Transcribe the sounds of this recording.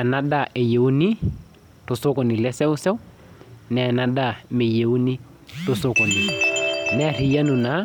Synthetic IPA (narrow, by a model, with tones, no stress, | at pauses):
a˨na˦da˦˨ʔe˨je˨u˦ni˦ | to˨so˦kɔ˨ni˨lɛ˦sɛ˦ʊ˦sɛ˦w | nɛ˨a˨na˨da˦˨me˨je˨u˦ni˦ | to˨so˦kɔ˨ni˨mɛ˦a˨ri˨ja˦nu˨na˨˦